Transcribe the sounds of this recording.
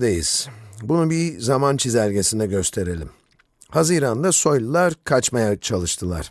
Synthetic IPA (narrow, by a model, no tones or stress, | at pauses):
d̪ejḭz̥bunubizamant͡ʃʰizæɾʲɟe̞sind̪ɛɟø̞st̪ʰe̞ɾe̞lʲim | hazɯɾand̪aso̞jlʲˠulˠaɾkʰat͡ʃmajat͡ʃʰalˠɯʃt̪ʰɯlˠa̰ɾ̥